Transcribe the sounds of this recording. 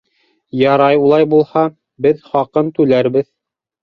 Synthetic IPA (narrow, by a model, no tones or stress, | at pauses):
jɑɾɑjulˠɑjbulˠhɑ | bɘðχɑqɤnt̪ʉlæɾbɘð